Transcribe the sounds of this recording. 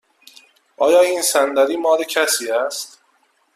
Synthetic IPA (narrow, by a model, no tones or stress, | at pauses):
ʔɒːjɒːiːnsænd̪æɾiːmɒːɾecʰæsiːæst̪